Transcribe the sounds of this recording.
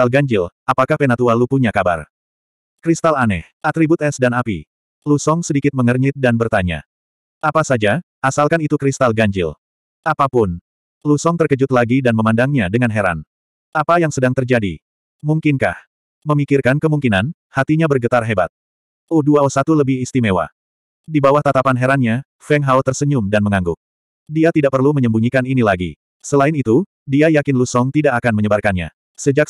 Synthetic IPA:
alɡaɲd͡ʒɪlapakahpenat̪ualupuɲakaba̰r | kɾist̪alanɛ̰hat̪ɾibut̪̚ɛsdanapḭ | lusɔŋsədikɪt̪̚məŋərɲɪt̪̚danbərt̪aɲa̰ | ʔapasad͡ʒa | ʔasalkanit̪ukɾist̪alɡaɲd͡ʒɪ̰l | ʔapapʊn | lusɔŋt̪ərkəd͡ʒʊt̪̚laɡidanməmandaŋɲadəŋanɦeɾa̰n | ʔapajaŋsədaŋt̪ərd͡ʒadḭ | muŋkɪnka̰h | məmikɪrkankəmuŋkinan | hat̪iɲabərɡət̪arɦeba̰t̪̚ | oduaɔsat̪uləbɪhist̪imewa̰ | dibawaht̪at̪apanɦeɾanɲa | fɛŋɦawt̪ərsəɲʊmdanməŋaŋɡʊk̚ | diat̪idaʔ̚pərluməɲəmbuɲikaninilaɡḭ | səlaɪnit̪u | diajakɪnlusɔŋt̪idaʔakanməɲəbarkanɲa̰ | səd͡ʒak

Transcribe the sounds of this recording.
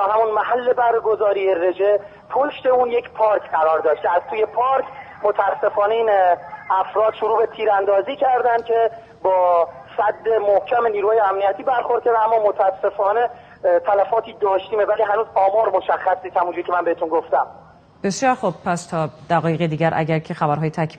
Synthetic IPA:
ɒːɦæmunmæhælːe̞bæɾɡo̞zɒːɾiːere̞d͡ʒe | pʰoʃt̪e̞uːnje̞cʰpʰɒːɾkʰɢæɾɒːɾd̪ɒːʃt̪eæz̥t̪uːje̞pʰɒːɾcʰ | mot̪ʰææsːe̞fɒːneiːnæfɾɒːd̪̥ʃoɾuːbet̪ʰiːɾænd̪ɒːziːcʰæɾd̪ænkʰe̞ | bɒː | sæd̪ːe̞mohcʰæme̞niːɾuːhɑːjeæmnijæt̪ʰiːbæɾxoɾd̪̚cʰed̪æmːɒːmot̪ʰææsːe̞fɒːne̞ | t̪ʰælæfɒːt̪ʰiːd̪ɒːʃt̪iːmevæliːɦænuːzɒːmɒːɾmo̞ʃæxːæsniːt̪hæmund͡ʒuɾicʰeænbeet̪unɡoft̪æm | b̥e̞sjɒːɾxub̚pʰæst̪ʰɒːd̪̥æɣɒːjeɣed̪iːɟæɾʔæ̰ɟæɾcʰe̞xæbæɾɦɒːjet̪ʰækʰ

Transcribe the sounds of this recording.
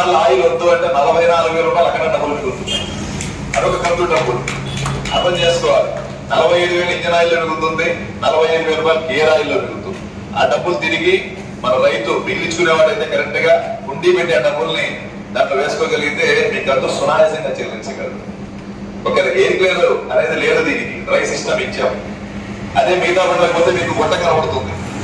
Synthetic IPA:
alaːjulɐnd̪uːɐɳʈeːnɐlɐbʱɐjnaːluɡueɾuːpajlɐkʰɐɽɐɖɐbːulɐniut̪una̰ː | ɐɽɔkɐkɐnt̪uɖɐbːul | ɐ̰ɾd̪ɐ̃mt͡ʃe̞ːsu̥kɔːʋaːɾu | nɐlɐbʱɐjɐːɽuʋeːliɲd͡ʒɐnaːjilːonuɡut̪und̪i | nɐlɐbʱɐjɐɽuʋeɾuːpajlukeːɾaːjuloːduɡut̪ui | a̰ːɖɐbːult̪iɾiɡi | mɐnɐɾɐjt̪ubiɡlit͡ʃkuneːʋaːɽɐjt̪eːkɐɾɐɳʈɐɡaːkuɳɖiːbɐɳɖiaːɖɐbːulni | d̪aʈluʋe̞ːsu̥koːɡɐliɡint̪eiŋkɐːt̪oːsunaːɾɐːsɐŋɡaːt͡ʃɐɾiʋilt͡ʃɐɡɐɾɐdu | ɔkːɐɾɐkeːɾikleːɽɐd̪uɐneːd̪ileːɽɐd̪iːnikiɾɐjsisʈɐmiɲt͡ʃaːmu | ɐd̪eːmiːd̪aːbɐɳːɐkipoːt̪emiːkuɡɔʈːɐkɐnɐbɐɽut̪und̪i

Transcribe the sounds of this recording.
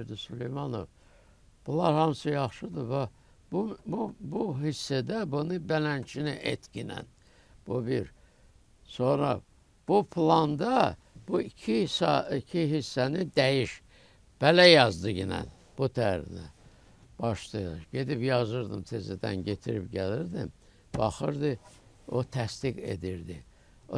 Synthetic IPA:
ɾd̪isylejmɑno̞̰v | b̥ulˠɑɾhɑmsɯjɑχʃɯd̪ɯvæ | bububuɦisːæd̪æbunɯbælænt͡ʃʰiniʔḛt̪cinæ̰n | b̥ubiɾ | so̞nɾɑ̰ | b̥upʰlˠɑnd̪ɑ | b̥uicʰisɑicʰiɦisːænid̪æjiʃ | b̥ælæjɑzd̪ɯɟinæ̰n | b̥ut̪ʰæɾḭnæ̰ | b̥ɑʃt̪ɯjɟe̞d̪ipjɑzɯɾd̪ɯ̰mt̪ʰezæd̪æ̰nɟet̪ʰiɾipɟæliɾd̪ḭm | b̥ɑχɯɾd̪ɯ | ot̪ʰæst̪iɡe̞̰d̪iɾd̪i

